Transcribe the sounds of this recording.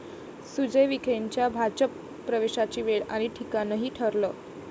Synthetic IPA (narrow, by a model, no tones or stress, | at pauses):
sud͡ʑəjʋikʰeɲt͡ɕjabʱat͡ɕəpː | ɾəʋeɕat͡ɕiːʋeɭa̰ɽ̃iʈʰikanəɦiːʈʰəɾləː